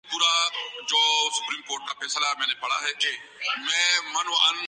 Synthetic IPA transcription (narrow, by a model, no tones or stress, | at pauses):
puːɾad͡ʒoːsʊ̥pɾiːmkoːɾʈ̚kapeːslaɛmɛ̃ːnepɐɽ̤a̰ɦɛke | mɛ̃ːmɐnən